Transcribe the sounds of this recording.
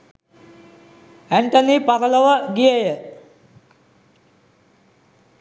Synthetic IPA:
æɳʈonipaɾələʋəɡijəjə

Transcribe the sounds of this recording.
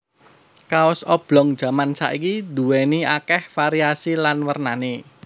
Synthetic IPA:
kaʊsɔb̥lɔ̤ŋd̥ʒ̥ä̤mansa̰ʔikid̪ṳwɛniakɛhfaɾiasilanwərnane

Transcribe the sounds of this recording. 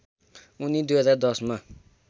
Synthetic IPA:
unid̪ujɦʌd͡zard̪ʌsma

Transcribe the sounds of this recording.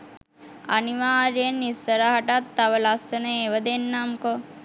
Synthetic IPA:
a̰niʋaːɾjenːisːəɾaɦɐʈat̪ːaʋɐlast̪ɐneeʋəd̪enːamko

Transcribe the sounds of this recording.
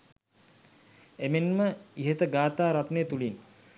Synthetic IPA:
emenməiɦət̪əɡaːt̪aːɾat̪nejət̪ulin

